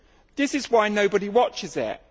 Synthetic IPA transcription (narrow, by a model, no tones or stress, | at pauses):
ðɪsɪzwaɪnəʊbəɾiwɒt͡ʃɪzɪ̰ʔ